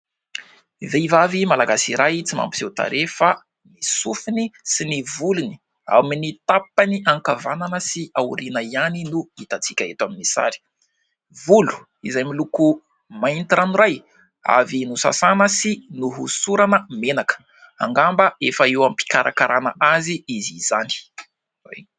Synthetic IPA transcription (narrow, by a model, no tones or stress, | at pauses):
iveivavimalaɡasiɾajit͡sima̰mpizewt̪a̰ɾʔefa | nisufinisinivuluni̥ | a̰minit̪apaniʔaŋkavananəsiawuɾinəianinuit̪at͡sikʲaet̪waminisa̰ɾi̥ | vulu̥ | izajmiluku | maint̪iɾaniɾaj | a̰vinusa̰sanəsinuɦusuɾanəmenakə̥ | a̰ŋɡambəefəiwampi̥kaɾʔa̰kaɾana̰ʔaziizizani̥ | ḛ